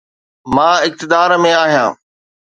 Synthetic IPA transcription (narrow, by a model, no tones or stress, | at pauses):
mãːɪk̚t̪ɪd̪aːɾmẽaːɦijãː